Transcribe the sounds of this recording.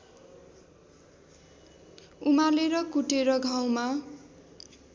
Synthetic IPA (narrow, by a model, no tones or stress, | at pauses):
umaleɾʌkuʈeɾʌɡʱaw̃ma